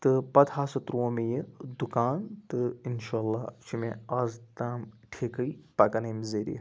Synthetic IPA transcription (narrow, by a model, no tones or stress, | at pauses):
t̪ɨpɐd̪haːsɐt̪ɾoːmejɨd̪ukaːnt̪ɨinʃaːlːaːt͡ʃʰimẽaːzt̪aːm | ʈʰekəjpɐkɐnemzeɾḭ